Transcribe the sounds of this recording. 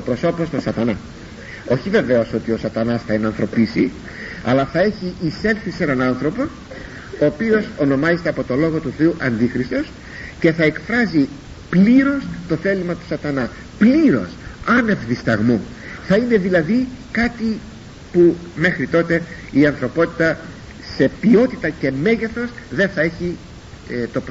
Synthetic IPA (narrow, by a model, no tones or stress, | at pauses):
opɾo̞so̞post̪osɐt̪ɐnɐ | o̞çive̞ve̞o̞so̞t̪io̞sɐt̪ɐnɐsθɐenɐnθɾo̞pisi | ɐ̰lɐθɐe̞çiʔːse̞lθise̞nɐnɐnθɾo̞po̞ | oːpio̞so̞no̞mɐzet̪e̞ɐpo̞t̪o̞lo̞ɣo̞t̪uθe̞uʔɐnd̪ixɾist̪o̞s | ce̞θɐe̞kfɾɐzi | pliɾo̞st̪o̞θe̞limɐt̪u̥sɐt̪ɐnɐ | pliɾo̞̰sɐne̞vðist̪ɐɣmo | θɐine̞ðilɐðikɐt̪i | pu | me̞xɾit̪o̞t̪e̞ | iɐnθɾo̞po̞t̪i̥t̪ɐ | se̞pio̞t̪it̪ɐce̞me̞ʝeθo̞sðe̞nθɐe̞çi | t̪o̞p